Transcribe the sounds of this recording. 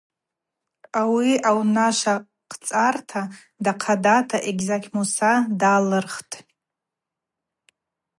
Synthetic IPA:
awiawnaʃa | qʰt͡sʼartʰa | daqʰadatʰaʔeɡʲzakʲmusadalɨrχtʼ

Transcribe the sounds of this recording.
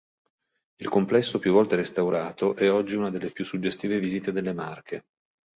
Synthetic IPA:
ilkomplɛsːopjuvːɔlt̪eɾest̪awɾʔaːt̪oʔɛɔd͡ʒːiunad̪elːepjusːud͡ʒːest̪iːvevizit̪ed̪elːemarkʰe

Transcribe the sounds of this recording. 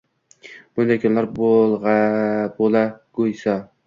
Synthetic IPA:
b̥ʊnd̪ajkʰɒnlaɾbolˠʁabolˠaɡojsa

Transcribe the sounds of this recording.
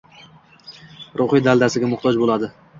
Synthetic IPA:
ɾʔʊχid̪ald̪asɪɡʲamʊχt̪ʰɒd͡ʒbolad̪ɪ

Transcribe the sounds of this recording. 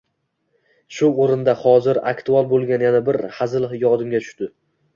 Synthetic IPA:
ʃʊoɾɪnd̪ahɒzɪɾa̰kt̪ʰualˠbolˠɡʲanjanabɪɾhazɪlˠhjɒd̪ɪmɡʲat̪ʰʊ̥ʃt̪ɪ

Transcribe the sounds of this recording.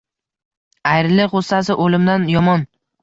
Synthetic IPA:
ajɾɪlɪʁost̪as̬ɪʔolɪmd̪anjɒmɒn

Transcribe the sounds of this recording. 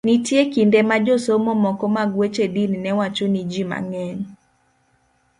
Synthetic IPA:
nitjekindemad͡ʒosomomɔkɔmaɡwet͡ʃedinnɛwat͡ʃonid͡ʒima̰ŋɛɲ

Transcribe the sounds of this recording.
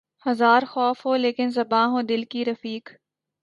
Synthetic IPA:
hɐzaːɾxɔːfɦoːleːkɪnzɐbãːɦõːd̪ɪlkiɾɐfiːk

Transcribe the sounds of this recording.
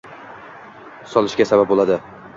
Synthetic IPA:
sɒlˠɪʃkʲasabap̚bolˠad̪ɪ

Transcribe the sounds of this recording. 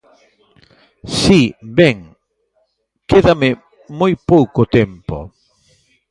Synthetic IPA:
sibɛŋ | keðamɪ | mojpowkot̪empo̰

